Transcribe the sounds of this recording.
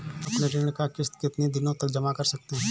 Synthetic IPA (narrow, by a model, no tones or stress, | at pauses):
ɐpneɾɪːɳ̃kakɪst̪kɪt̪ned̪ɪnõt̪ɐkd͡ʒɐmakɐɾsɐk̚t̪eɦɛ̃